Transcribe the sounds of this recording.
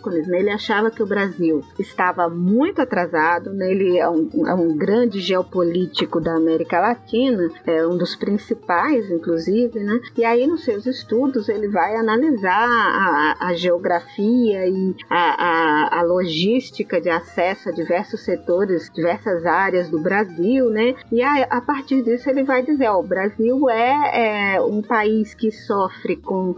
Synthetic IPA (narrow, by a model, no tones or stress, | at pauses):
kõniznɛelɪaʃavɐkɪʊbɾaziwɪst̪avɐmũj̃t̪ʊat̪ɾazad̪ʊnɛelɪɛũɛ̰ũɡɾɐ̃d͡ʒɪʒeopolit͡ʃikʊd̪ɐːmɛɾikɐlatĩnɐɛũd̪ʊspɾĩsipajzĩŋkluzivɪnɛɪainʊsːewzɪst̪ud̪ʊzelɪvajanaliza | ʔɐʒeoɡɾafiɐɪaaːloʒiʃt͡ʃikɐd͡ʒɪasɛsʊɐd͡ʒivɛɾsʊsːet̪oɾɪzd͡ʒivɛɾsɐzaɾjɐzd̪ʊbɾaziwnɛɪaʔapaɾt͡ʃiɾd̪isʊelɪvajd͡ʒizeɾɔbɾaziwɛɛũpaiskɪsɔfɾɪkõ